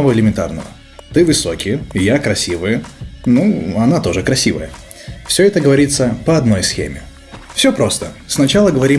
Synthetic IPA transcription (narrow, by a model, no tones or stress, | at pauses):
ɐvoɪlʲɪmʲɪnt̪a̰rnə̰və̰ | t̪ɨvɨso̞kʲɪjjakɾɐsʲivɨjənuɐnat̪o̞ʐɨkɾɐsʲivə̰jə | fsʲoɛt̪əɡəvɐɾʲit̪sːəpəɐd̪no̞jsxʲḛmʲɪ̰ | fsʲopɾo̞st̪əsnɐt͡ɕalˠəɡəvɐɾʲi